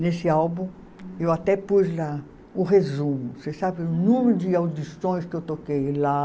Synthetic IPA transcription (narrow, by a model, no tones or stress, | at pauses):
nesɪawbũ | ewat̪ɛpuzla | ũʁezũmʊsesabɪũnũmeɾʊd̪ɪawd̪isõj̃skɪewt̪okejla